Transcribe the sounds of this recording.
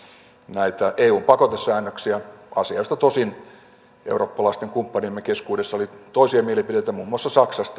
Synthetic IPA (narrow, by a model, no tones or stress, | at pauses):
næit̪æʔeːuːmpɑkot̪esːæːnːøksiæɑ̰siɑst̪ɑt̪osin | ʔeuroːpːɑlɑist̪eŋkumpːɑnimːekeskuːdesːɑolit̪oisiɑmielipideit̪æmuːmːuɑsːɑsɑksɑst̪